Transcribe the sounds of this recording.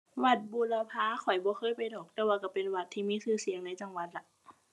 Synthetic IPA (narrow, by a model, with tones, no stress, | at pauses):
wa˧˩t̪̚buː˧˨la˧pʰaː˧˥˨kʰɔ˨˩jbɔː˧˦xʰɤː˧˥˨jpa˨jdɔː˨˩k̚t̪ɛː˧waː˧ka˧˩pe˨nwa˧˩t̪ʰːiː˧˨miː˧˥˨sɯː˧˩si˨˦əŋna˧˥jt͡ɕa˧ŋwa˨˧˦t̪̚la˧˦